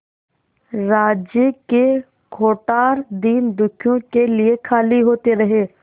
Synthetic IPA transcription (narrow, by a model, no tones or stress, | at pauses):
ɾaːd͡ʒjəke | ɡʰʱoːʈaːɾd̪iːnd̪ʊkʰjõkeliekʰaːliɦoːt̪eɾɐɦeː